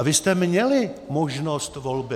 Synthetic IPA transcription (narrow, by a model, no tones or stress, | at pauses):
vɪst̪ɛmɲɛlɪmoʒnost̪volbɪ